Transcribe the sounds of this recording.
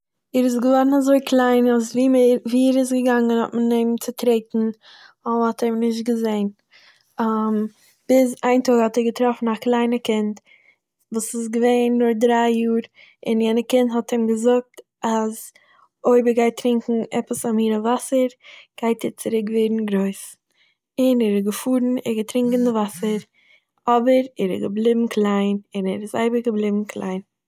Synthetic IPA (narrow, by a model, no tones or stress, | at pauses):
ɛɾɪs̬ɡəvɔɾn̩azoɪkʰlˠaɪnasviːmɛɾviːɛɾɪs̬ɡəɡaŋənɔ̰tməneɪmt͡sɪtɾeɪtn̩ | ɔhɔtɛɪmnɪʃt̚ɡəzeɪn | am | b̥ɪzaɪntoːɡhɔtɛɾɡətɾɔfn̩aklˠaɪnəkɪnt | vuːsɪsɡəveɪnːʊɾdɾaɪjuːɾ | ɪnjɛnəkɪnthɔtʰɪmɡəzʊk̚t | az | oɪbəɡaɪtɾɪŋkŋ̩ʔɛpəsamiːɾəvasəɾɡ̥aɪtʰɛɾt͡sɪɾɪkveːɾn̩ɡɾoɪs | ɪnɛɾɪzɡəfuːɾn̩ɛɾɡətɾɪŋkn̩dɪvasəɾ | ɔbəɾɛɾɪ̰ɡəblˠɪbm̩kʰlˠaɪnɪnɛɾɪza̰ɪbəɾɡəblˠɪbm̩kʰlˠa̰ɪn